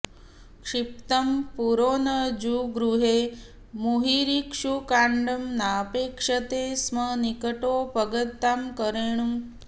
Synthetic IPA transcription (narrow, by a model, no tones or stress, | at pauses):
kʂip̚t̪ɐmpuɾoːnɐd͡ʒuɡɾuɦe | muɦiɾikʂukaɳɖɐmnaːpeːkʂɐt̪eːsmənikəʈopəɡət̪ːamkəɾeːɳum